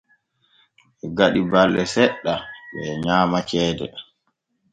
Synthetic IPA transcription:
ʔɛɡaɗibalːɛsɛɗːaɓɛɲaːmat͡ʃɛːdɛ̰

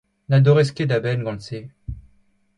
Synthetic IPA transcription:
nad̪ɔʁɛskʲed̪abɛnɡɑ̃nse

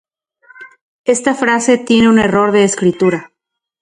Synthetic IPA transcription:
e̞st̪afɾase̞t̪je̞ne̞une̞ro̞ɾðe̞ːskɾit̪uɾa

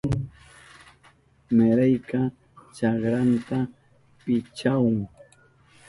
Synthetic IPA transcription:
ŋ | meɾajka | t͡ʃɑkɾant̪a | pɪt͡ʃawʊŋ

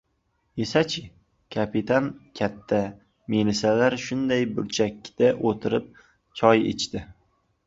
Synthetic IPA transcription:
esat͡ʃʰɪ | kʲʰapɪt̪ʰankʲʰat̪ʰːa | melɪsalaɾʃʊnd̪ajbʊɾt͡ʃʰakʲːd̪̥aʔot̪ʰɪɾɪp̚ | t͡ʃʰɒjḛt͡ʃʰt̪ɪ

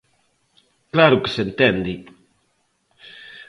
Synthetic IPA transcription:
klaɾʊke̥sent̪end̪i

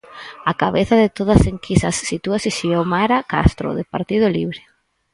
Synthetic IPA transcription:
akaβeθaðɪt̪oðɐseŋkʰisɐsːit̪uasɪʃiɛwmaɾaka̰st̪ɾo̰ðepaɾt̪iðʊliβɾɪ

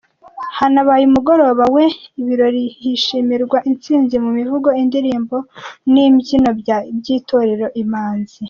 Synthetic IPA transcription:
hanaβajumuɡo̞ɾo̞ːβawe̞iβiɾo̞ɾihiʃimiɾɡwaʔint͡siːnzimumivuɡo̞indiɾiːmbo̞nimbɟinobɟiːto̞ɾeɾo̞ʔimaːnz̥i

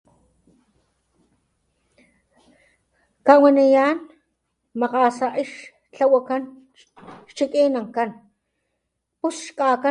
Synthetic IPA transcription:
kawanijaːn | maqaːsaʔiʃ | t͡ɬawakan | ʃt͡ʃikʼiːnaŋkan | pusʃkʼaːka

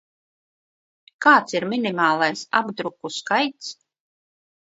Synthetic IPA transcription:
kaːt̪siɾmʲinimaːlˠajsa̰bd̪ɾukuskajt̪s

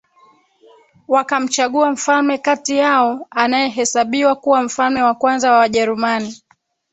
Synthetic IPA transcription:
wakam̩t͡ʃaɠuam̩falmɛkatijaɔanajɛɦɛsaɓiwakuwam̩falmɛwakwanzawawaʄɛɾumani

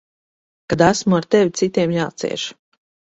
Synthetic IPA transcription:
kad̪æsmuaɾt̪ɛvʲit̪sit̪iɛmjaːt̪sḭɛ̰ʃ

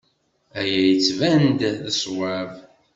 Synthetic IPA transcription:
æjæjət͡sːvænd̪ðəswav

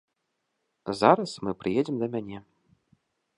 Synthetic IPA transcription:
zaɾɐsmɨpɾɨjɛd͡zʲɛmd̪ɐmʲanʲɛ

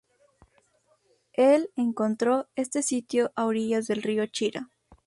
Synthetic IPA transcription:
eleŋko̞nt̪ɾoe̞st̪e̞sit̪joʔawɾiʝazðe̞lrio̞t͡ʃiɾa̰

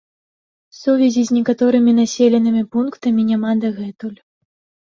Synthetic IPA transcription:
suvʲɛzʲizʲnʲɛkat̪ɔɾɨmʲin̪asʲelʲɛnɨmʲipunkt̪ɐmʲinʲamad̪ɐɣɛt̪ulʲ

